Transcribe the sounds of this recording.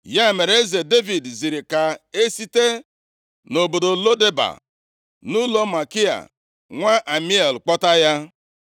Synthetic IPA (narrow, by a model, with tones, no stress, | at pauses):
ja˦e˨me˨ɾe˦ze˨de˦vi˨dzi˨ɾi˨ka˨e˦si˦te˦ | no˨bo˨do˨lo˦de˦ba̰˨ | nu˦lo˦ma˨kɪ˦a̰˨ | ŋʷa˦ʔa˨mi˦e˨lk͡pɔ˦ta˦ja˦